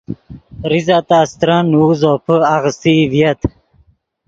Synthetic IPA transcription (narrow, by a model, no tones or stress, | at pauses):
ɾizat̪ast̪ɾanuzopʰəaɣst̪ivjɐt̪